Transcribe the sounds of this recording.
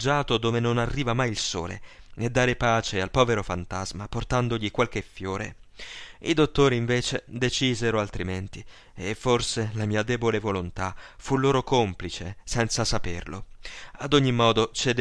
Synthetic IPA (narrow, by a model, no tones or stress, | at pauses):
d͡ʒːaːt̪od̪oːvenonarːiːvamajilso̰ːlḛed̪ːaːɾepaːt͡ʃealpɔːveɾofant̪azmaport̪and̪oʎikwalk̟efːjoːɾḛ | id̪ot̪ːoːɾiːɱveːt͡ʃed̪et͡ʃiːzeɾoalt̪ɾiment̪i | efːorselamiːad̪ɛːbolevolont̪afulːoːɾokomplit͡ʃesɛnt̪sasaperlo̰ad̪oɲːimɔːd̪ot͡ʃed̪